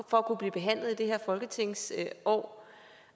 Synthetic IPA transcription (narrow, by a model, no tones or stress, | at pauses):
fɒ̽ækʰub̥liːb̥e̝ɦæn̰lð̩ˠid̥e̝ɦeɐ̰fɒ̽lɡ̥ət͡sʰe̝ŋ̰sʔɒ̰ː